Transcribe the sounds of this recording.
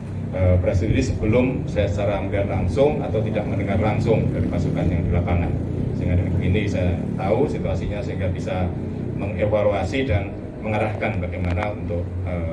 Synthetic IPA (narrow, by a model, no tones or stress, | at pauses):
ʔəpɾesididisəbəlʊm | sajast͡ʃaɾaməlianlaŋsʊŋat̪awt̪idaʔ̚məndəŋarlaŋsʊŋdaɾipasukanjaŋdilapaŋan | səiŋɡadanibəɡinibisajat̪ausit̪uasiɲasəɦiŋɡabisa | məŋefaluasidan | məŋaɾahkanbaɡajmanaunt̪ʊk̚ə